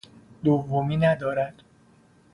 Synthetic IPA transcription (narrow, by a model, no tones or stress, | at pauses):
d̪ovːomiːnæd̪ɒːɾæd̪̥